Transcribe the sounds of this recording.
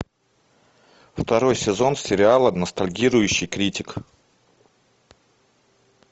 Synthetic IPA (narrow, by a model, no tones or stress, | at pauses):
ft̪ɐɾo̞jsʲɪzo̞nsʲɪɾʲɪalˠənəst̪ɐlʲɡʲiɾʊjʉɕːɪjkɾʲitʲɪk